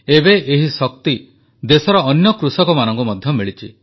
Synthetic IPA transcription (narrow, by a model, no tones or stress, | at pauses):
ebeʔeɦisɔk̚t̪i | d̪esɔɾɔːnjɔkɾusɔkɔmanɔŋkumɔd̪ʱjɔmiɭit͡ʃʰi